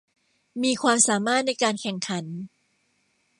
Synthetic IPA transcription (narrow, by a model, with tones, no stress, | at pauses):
miː˧kʰwaː˧msaː˩˦maː˥˩t̪̚na˧jkaː˧nkʰɛ˨˩ŋkʰa˩˦n